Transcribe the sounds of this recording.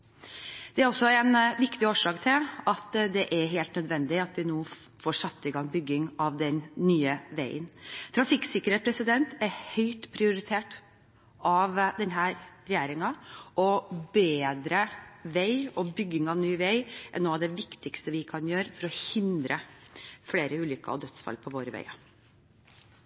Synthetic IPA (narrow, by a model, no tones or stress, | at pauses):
d̪̥ɛæɾɔsɔɛnʋɪkt̪ɪoːʂɑːkt̪ʰɪlɑt̪d̪ɛʔæɾɦeːlt̪nœd̪ʋɛnd̪ɪɑt̪ʋɪnoː | foːʂɑt̪ːɪɡɑŋbʏɡːɪŋɑʋd̪ɛnːyːəʋæɪənt̪ʰɾɑfɪksɪkːəɾhɛt̪pʰɾɛsɪd̪ɛnt̪æɾhœʏt̪pʰɾɪʊɾɪt̪ʰeːʈ | ʔɑʋd̪ɛnɦæːɾɾɛjeːɾɪŋɑʔɔbeːd̪ɾəʋæɪɔbʏɡːɪŋɑʋnyːʋæɪʔɛ̰nːuːɑʋd̪ɛʋɪkt̪ɪkst̪əʋɪkʰɑnjøːɾəfɔɾɔhɪnd̪ɾəfɽeːɾəʉːlʏkːə̰ɔd̪œt̪sfɑ̰lpʰɔʋoːɾəʋæ̰ɪɑ̰